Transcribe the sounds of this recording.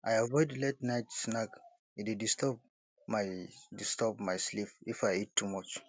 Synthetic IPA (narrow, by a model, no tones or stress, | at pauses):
ʔajavɔɪdletnaɪtsnak | itidistɔp̚ | maɪdistɔpmaɪslififaɪitʰːumɔt͡ʃ